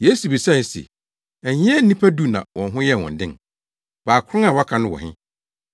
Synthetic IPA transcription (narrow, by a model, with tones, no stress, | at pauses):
je˦su˨bi˨sa˦˨ɪ˨sɛ̰˨ | æ˨ɲɪ̃˦ɛ˦n̩˦nĩ˦pʰæ˦du˦nã̰˨wʔɔ̃˨nɦʊ̃˦jɛ˦˨wɔ̰̃˨n̩˨dɪ̃˦˨ŋ | baː˨kʰʊ˦ɾʊ̃˦ŋa˨wa˦kʰã˨nʊ̃˦wɔ̰˨hɪ̰̃˦